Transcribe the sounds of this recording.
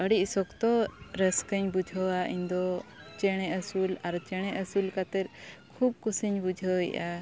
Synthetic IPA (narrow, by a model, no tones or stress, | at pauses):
əɽiʔsɔkt̪ɔɾɛskəɲbud͡ʒʱəwaʔiɲd̪ɔ | t͡ʃɛɽ̃ɛʔəsulaɾt͡ʃɛɽ̃ɛʔəsulkat̪ɛɾ̚kʰub̚kusiɲbud͡ʒʱəwḭʔa